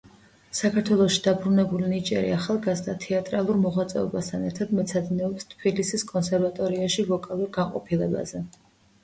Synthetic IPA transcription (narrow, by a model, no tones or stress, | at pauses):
sakʰaɾt̪ʰwɛlˠɔʃid̪abɾunɛbulinit͡ʃʼɛ̰ɾḭaχalˠɡazd̪at̪ʰɛat̪ʼɾalˠuɾmɔʁwat̪sʼɛ̰ɔ̰bast̪ʰanɛɾt̪ʰad̪mɛt̪sʰad̪nɛɔpst̪ʰbilisiskʼɔnsɛɾvat̪ʼɔɾiaʃivɔkʼalˠuɾɡaɴqʼɔ̰pʰilɛba̰zɛ